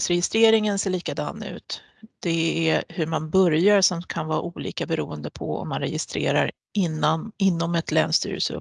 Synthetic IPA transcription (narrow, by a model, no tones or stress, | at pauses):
sɾɛjɪst̪ɾeːɾɪŋənseːɭiːkad̪ɑ̰ːnʉ̟ːt̪ | d̪̥ɛæhɵɾmanbœɾjaɾsɔmkʰanvɑːʔuːlḭːkabɛɾuːənd̪əpʰɔ̰ɔ̰mːanɾɛjɪst̪ɾḛːɾa̰ɾ | ɪnaɪnːɔmɛt̪lɛ̰ːnst̪y̰ːɾə̰sɵ̰p